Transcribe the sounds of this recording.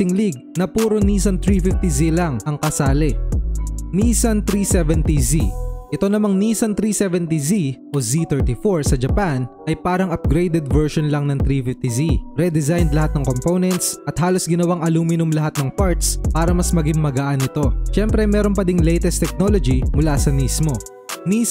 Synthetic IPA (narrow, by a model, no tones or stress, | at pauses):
sɪŋliɡ̚nɐpuːɾoniːsɐnt̪ɾifɪft̪izilɐŋʔɐŋkɐsaːlɛ | niːsɐnt̪ɾiːsɛvɛnt̪iziʔɛt̪o̞nɐmaŋniːsɐnt̪ɾiːsɛvɛnt̪iziʔozit̪ɛɹt̪ifoɹsɐd͡ʒɐpanʔɐjpaːɾɐŋʔɐp̚ɡɾejd̪ɛd̪vɛɹʃonlɐŋnɐŋt̪ɾifɪft̪iziɾɛd̪ɛzajnd̪lɐhat̪̚nɐŋkomponɛnt̪sʔɐt̪̚haːlo̞sɡɪnɐwaŋʔɐluːmɪnomlɐɦat̪̚nɐŋpaɹt̪spaːɾɐmɐsmɐɡɪŋmɐɡaːʔɐnɪt̪o̞ʃɛmpɾɛmɛːɾonpɐd̪iŋlɛjt̪ɛst̪ɛk̚no̞lod͡ʒimʊlasɐniːsmo̞ | ni